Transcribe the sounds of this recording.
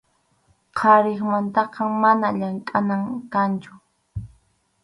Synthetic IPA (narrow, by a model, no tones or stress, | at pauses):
qʰɑɾɪχmant̪ɑqɑmanaʎaŋkʼanaŋkant͡ʃʊ̥